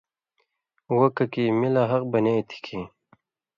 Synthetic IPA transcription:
wokɐkimilaɦɐq̚bɐnet̪ʰi̥kʰi

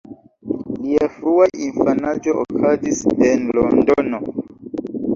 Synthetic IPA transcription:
liafɾuaʔinfanad͡ʒoʔokʰazisenlondono

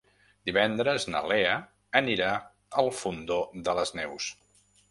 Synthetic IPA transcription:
d̪iβɛnd̪ɾəznə̰leə | əniɾa | əlˠfund̪oðələznɛws

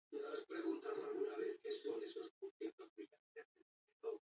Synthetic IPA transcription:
nospɾeɣunt̪amoalɣunaβ̞eθkesonesosput̪it̪osia | aeneeto

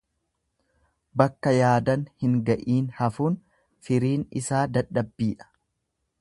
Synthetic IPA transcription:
bɐkːɐjaːd̪ɐnhɪŋɡɐʔiːnhɐfuːn | fɪɾiːnɪsaːd̪ɐɗɐbːiːᶑɐ̥

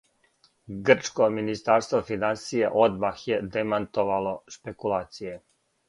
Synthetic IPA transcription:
ɡr̩t͡ʃkominist̪aːɾst̪ʋofinansijeʔo̞d̪maxjed̪emant̪oʋalo̞ʃpe̞kulˠaːt̪sije

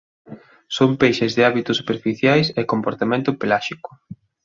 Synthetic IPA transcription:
sompejʃɪzðɪaβit̪ʊsupeɾfiθjajsɛkompoɾt̪amẽnt̪ʊpelaʃikʊ̥

